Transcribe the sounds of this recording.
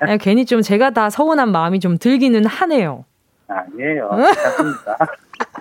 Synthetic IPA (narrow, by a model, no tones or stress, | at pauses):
ake̞ɲit͡ɕ͈omt͡ɕe̞ɡatasʰʌunɦanmaɯmit͡ɕomtɯɭɡinɯnhane̞jo̰ | aɲejomida